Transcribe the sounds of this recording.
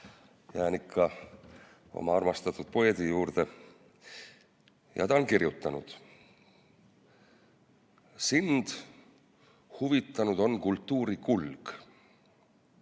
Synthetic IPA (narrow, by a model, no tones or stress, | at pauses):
jæːnikʰːɑ | o̞̰mɑɑrmɑst̪ɑt̪ːˑud̪̥̚poed̪ijuːrd̪e̞ | jɑ̰t̪ɑnkirjut̪ːˑɑnṵd̪̥ | sind̪̥ | huvit̪ˑːɑnud̪̥o̞nkult̪ːˑuːɾikulɡ̥